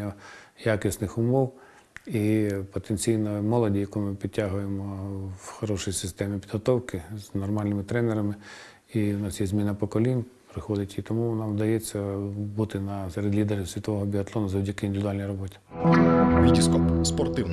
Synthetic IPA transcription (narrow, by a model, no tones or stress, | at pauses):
ɐjakɪsnɪxʊmɔw | ipɔt̪enʲt͡sʲijnɔmɔlˠɔdʲijɐkumɪpʲid̚ʲtʲːaɦʊjemɔwxɔɾɔʃʊjisɪst̪ɛmʲɪpʲid̪ɦɔt̪ɔwkɪz̥nɔrmɑlʲnɪmɪt̪ɾɛneɾɐmɪ | iʊnɑsjɛzʲmʲinɐpɔkɔlʲinʲ | pɾɪxɔd̪ɪtʲit̪ɔmunamd̪ɐjɛt͡sʲːɐbut̪ɪnɐseɾɪdʲlʲid̪eɾɪsʲʋʲit̪ɔʋɔɦɔbʲiɐt̪lˠɔnɐzɔwdʲɐkɪind̪ɪʋʲd̪ʊɑalʲnɐjɾɔbɔtʲi̥ | ʋʲidʲiskɔspɔrt̪ɪn